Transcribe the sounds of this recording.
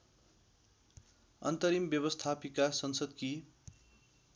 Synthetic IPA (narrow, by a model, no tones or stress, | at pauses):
ʌ̰nt̪ʌɾimbjʌβʌst̪ʰapikasʌnsʌd̪ki